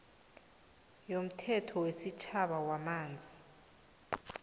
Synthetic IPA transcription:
jom̩tʰɛtʰɔwesit͡ʃʰaɓawamaːnd͡zʱi

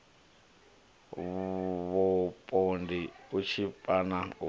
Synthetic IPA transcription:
βɔpʼondiut͡ʃʰipʼana

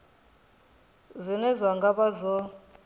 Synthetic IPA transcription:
zʷinɛzʷaŋɡaβazʷɔ

